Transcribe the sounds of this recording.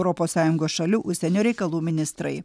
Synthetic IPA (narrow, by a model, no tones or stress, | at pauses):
ʊɾɔpoːssɑːjʊŋɡoːsʃɐlʲuːʔʊʃʲsʲɛnʲoːɾʲɛɪkɐlˠuːmʲɪnʲɪst̪ɾɐ̰ɪ